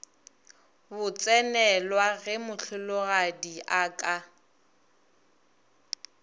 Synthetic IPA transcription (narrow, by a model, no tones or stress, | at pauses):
bʊt͡sʼɛnɛlwaɣɛmʊɬʰʊlʊɣadiʔakʼa